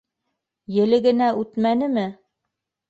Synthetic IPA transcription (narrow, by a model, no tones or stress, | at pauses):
jɘ̆lɘ̆ɡɘ̆næʔʉt̪mænɘmɘ